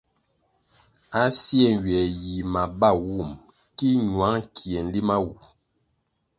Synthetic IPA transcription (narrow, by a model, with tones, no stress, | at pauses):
a˦sjɛ˦˨n˨ɥɛ˨ji˨ma˨ba˦˨wu˦˨m | ki˦ɲwa˨˦ŋkʰi˨ɛ˨n̩˨˦li˦ma˦wu˨